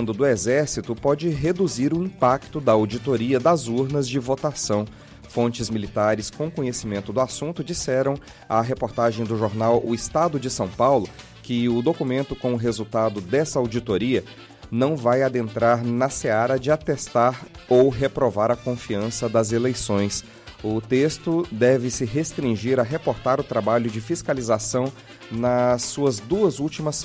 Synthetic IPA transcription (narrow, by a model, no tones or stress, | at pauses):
nd̪ʊd̪ʊezɛɾsit̪ʊpɔd͡ʒɪɦed̪uziɾʊĩpakt̪ʊd̪ɐawd͡ʒit̪oɾiɐd̪ɐzuɾnɐzd͡ʒɪvot̪asɐ̃w̃ | fõnt͡ʃɪzmilit̪aɾɪskõkõɲesimẽnt̪ʊd̪ʊasũnt̪ʊd͡ʒisɛɾɐ̃w̃ | ɐɦepoɾt̪aʒẽj̃d̪ʊʒoɾnawʊɪst̪ad̪ʊd͡ʒɪsɐ̃w̃pawlʊ | kɪʊd̪okumẽnt̪ʊkõw̃ʊɦezuwt̪ad̪ʊd̪ɛsɐawd͡ʒit̪oɾiɐ | nɐ̃w̃vajad̪ẽnt̪ɾaɾnɐseaɾɐd͡ʒɪat̪est̪aɾowɦepɾovaɾɐkõfiɐ̃sɐd̪ɐzelejsõj̃s | ʊt̪est̪ʊd̪ɛvɪsɪɦest̪ɾĩʒiɾɐɦepoɾt̪aɾʊt̪ɾabaʎʊd͡ʒɪfiskalizasɐ̃w̃ | nɐsːuɐzd̪uɐzuwt͡ʃimɐs